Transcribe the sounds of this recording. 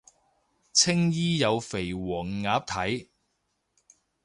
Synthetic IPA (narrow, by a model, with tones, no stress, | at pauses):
t͡sʰɪ˥ŋjiː˥jɐ˨˧wfe˨˩jwɔː˨˩ŋːaː˨˥p̚t̪ʰɐ˨˥j